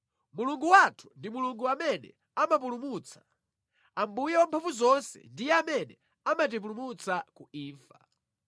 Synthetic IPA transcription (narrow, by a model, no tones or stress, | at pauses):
muluŋɡuwatʰu̥ndimuluŋɡuamɛnɛ̰ | amap̬ulumut͡sʰḁ | ambujɛwampʰavuzɔnsɛ̰ndijɛamɛnɛ | amat̬ip̬ulumut͡sakuiːfa